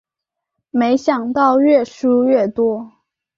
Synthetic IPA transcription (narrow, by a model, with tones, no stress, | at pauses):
me˧˥ɪɕjɑ˨˩ŋt̪ɑ˥˧ʊɥɛ˥˩ʂu˥ɥɛ˥˩t̪wɔ˥